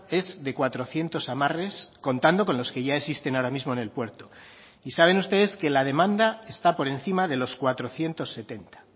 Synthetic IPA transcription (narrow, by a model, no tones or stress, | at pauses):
e̞zðe̞kwat̪ɾo̞θje̞nt̪o̞samare̞sko̞nt̪and̪o̞ko̞nlo̞ske̞ʝaesist̪e̞naoɾamizmoene̞lpwe̞ɾt̪o̞ | isaβe̞nust̪e̞ðe̞ske̞laðe̞mãnd̪aest̪apo̞ɾe̞nθimaðe̞lo̞skwat̪ɾo̞θje̞nt̪o̞sːe̞t̪e̞nt̪ḁ